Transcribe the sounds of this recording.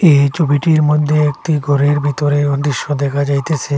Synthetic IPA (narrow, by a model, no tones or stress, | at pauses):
et͡ɕobiʈiɾmod̪ʱːeek̚ʈiɡʱɔɾeɾbʱit̪oɾed̪ɾiʃːod̪ɛkʰad͡ʑajt̪et͡ɕʰe